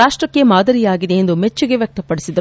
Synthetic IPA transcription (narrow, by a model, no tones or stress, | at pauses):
aːʂʈɾɐkːe̞maːd̪ɐɾijaːɡid̪e̞end̪umet͡ʃːuɡe̞ʋjɐk̚t̪ɐpːɐɽisid̪ɐ